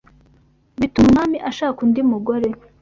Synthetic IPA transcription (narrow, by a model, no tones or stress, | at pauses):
βitumŋamiʔaʃaːkundimuɡoɾe